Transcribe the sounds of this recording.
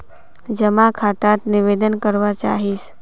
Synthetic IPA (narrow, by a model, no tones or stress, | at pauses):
d͡ʒəmakʰat̪at̪niʋed̪ənkəɾʋat͡ʃa̰ːɦiʃ